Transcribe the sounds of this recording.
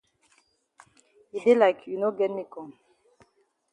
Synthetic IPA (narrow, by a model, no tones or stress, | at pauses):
idelaɪkʰjunoɡɛnmikɔ̃n